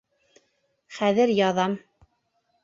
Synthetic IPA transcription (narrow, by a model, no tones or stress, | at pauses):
χæðɘɾjɑðɑm